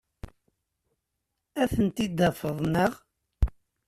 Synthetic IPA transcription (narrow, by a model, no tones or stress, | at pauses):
æθənt̪id̪ːæfəðˤnəʁ